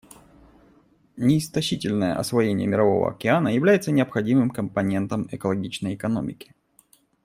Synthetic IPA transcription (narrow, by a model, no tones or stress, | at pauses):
nʲɪːst̪ɐɕitʲɪlʲnəjə̰ʔɐ̰svɐjenʲɪ̰jəmʲɪɾɐvo̞̰və̰ɐ̰kʲɪanəjɪvlʲæjɪt̪sənʲɪəpxɐdʲimɨmkəmpɐnʲe̞nt̪əmɨkəlˠɐɡʲit͡ɕnəjɪkɐno̞̰mʲɪkʲɪ̥